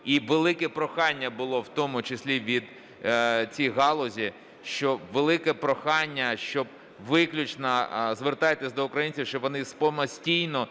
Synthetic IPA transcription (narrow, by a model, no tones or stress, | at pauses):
iʋelˠɪkɛpɾɔxɑnʲːɐbʊlˠɔwt̪ɔmʊt͡ʃesʲlʲiʋʲid̪ | t͡sʲijɦɑlˠɔzʲi | ʃt͡ʃɔʋelˠɪkɛpɾɔxɑnʲːɐʃt͡ʃɔb̚ | ʋɪklʲʊt͡ʃnɐzʋert̪ɑjet̪ɪsʲd̪ɔʊkɾɐjinʲt͡sʲiwʃt͡ʃɔbʋɔnɪspɔmɐsʲtʲijnɔ